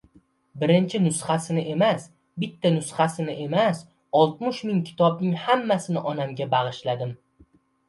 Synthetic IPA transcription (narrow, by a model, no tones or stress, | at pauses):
bɪɾɪnt͡ʃʰɪnʊsχasɪnɪʔe̞mas | bɪt̪ʰːanʊsχasɪnɪʔe̞mas | ɒlˠt̪̚mʊʃmɪŋkʲʰɪ̥t̪ʰɒbnɪŋhamːasɪnɪʔɒnamɡʲabaʁɨʃlad̪ɪm